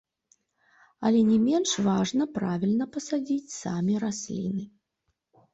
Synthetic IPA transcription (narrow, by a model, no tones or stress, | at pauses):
ɐlʲɛnʲɛmʲɛnʂvaʐnɐpɾavʲilʲnɐpɐsad͡zʲit͡sʲsamʲiɾasʲlʲḭnɨ